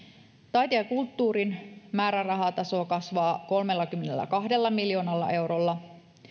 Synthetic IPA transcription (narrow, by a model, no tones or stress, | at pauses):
t̪ɑjt̪eɑkult̪ːuːɾinmæːɾærɑɦɑt̪ɑso̞ːkɑsʋɑːko̞lme̞lːɑkymːenelːæ̰kɑɦde̞lːɑmiljo̞ːnɑlːɑ̰ʔe̞wɾolːɑ